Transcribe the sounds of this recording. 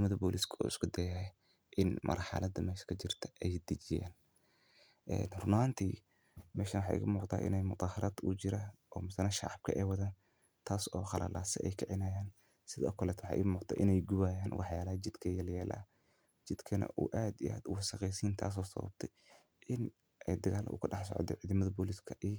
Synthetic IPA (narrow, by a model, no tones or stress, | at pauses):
mɐðɐbɔːliskʰṵːɪskʰʊd̪ɛjɐɦɛ | ʔɪnmʔɐ̰rħɑ̰lɐd̪ɐmɛːʃɐ̥kʰɐt͡ʃɪrt̪ʰɐ̥ʔɛjd̪ɪt͡ʃɪja̰ːn | ʔɛ̰ːnrʊnaːnt̪ʰiː | mɛːʃɐnwħɑːʔɪ̰ɣɐmuːqt̪a̰ːʔɪ̰nɛjmʊt̪ˤɑːhɐɾʔɐd̪ṵt͡ʃɪɾɐʔɔːmɪsɐnɐʃɑ̰ʕɑb̥̚kʰɐ̰ʔɛwɐðaːn | t̪ʰaːsɔːχɑlʔa̰ːlʔa̰ːsɪ̰ɛjkʰɐʕɪnaːjaːn | sɪðɐɔ̰kʰlɛːt̪ʰwɑħɑ̰ːʔɪɣmuːqt̪ʰɛ̰ʔɪnɛjɡʊwaːjaːnwʔɑħjaːlɐhɐd͡ʒɪd̪kʰɐjɛljɛːlʔɐ̰ɐ | t͡ʃɪd̪kʰɐnɐ̰ʔṵːʔaːd̪iʔa̰ːd̪ʊwɑsɐqɛjsiːnt̪ʰa̰ːs̬ɔːsɐwɐ̰b̚t̪ʰɛj | ʔɪn | ʔɛjd̪ɐɣaːlʔɐ̰ʔʊ̰kʰʊɖɑħsɔ̰ʕt̪ɛ̰ʕiːðɐmɐðɐbɔːliskʰɐʔiː